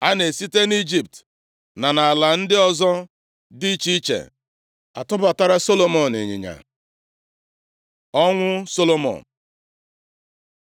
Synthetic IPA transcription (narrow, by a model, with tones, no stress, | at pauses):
a˦ne˨si˦te˦ni˦d͡ʒi˨p̚t | na˨na˨la˨n̩˦dɪ˦ɔ˦zɔ˦ | di˦t͡ʃi˦t͡ʃḛ˨ | a̰˨tʊ˦ba˨ta˦ɾa˦so˦lo˦mɔ˨nḛ˨ɲḭ˨ɲa̰˨ | ɔ˦ŋʷʊ˦so˦lo˦mɔ̰˨n